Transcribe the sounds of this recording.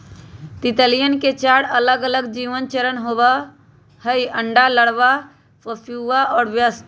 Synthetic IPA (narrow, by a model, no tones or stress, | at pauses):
t̪it̪əlijənket͡ʃaɽələɡələɡd͡ʒiʋənt͡ʃəɾənɦobə | həiəɳɖaləɽʋa | pəpʰjuaɔːɾbjəst̪